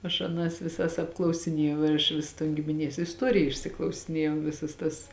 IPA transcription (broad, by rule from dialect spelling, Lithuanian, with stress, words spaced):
ɐʃ ɐˈnɐs ʋʲɪˈsɐs ɐpklˠɐʊsʲɪˈnʲiɛjɛʊ ɪr ɐʃ ˈʋʲɪs toːn ɡʲɪmʲɪˈnʲiɛs ɪsˈtuɔrʲɪjɛ ɪʃʲsʲɪklˠɐʊsʲɪˈnʲiɛjɛʊ ˈʋʲɪsɐs tɐs